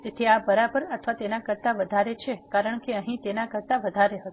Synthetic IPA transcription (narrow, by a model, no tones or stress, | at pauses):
d͡ʒet̪ʰiabəɾabəɾət̪ʰʋat̪enakəɾt̪aʋəd̪ʱaɾet͡ʃʰekaɾəɳ̃keəɦĩt̪enakəɾt̪aʋəd̪ʱaɾeɦət̪